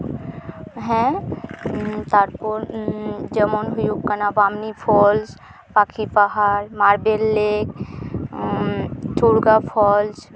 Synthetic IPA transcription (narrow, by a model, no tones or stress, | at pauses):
ɦɛ̃ | t̪aɾpuɾd͡ʒəmonɦujukənabamnipʰɔls | pakʰipaɦaɾmaɾbelːek | t͡ʃuɾɡapʰɔls